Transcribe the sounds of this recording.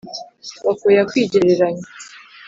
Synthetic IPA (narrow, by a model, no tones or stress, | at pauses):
wakojakwiːɟiɾeɾaɲa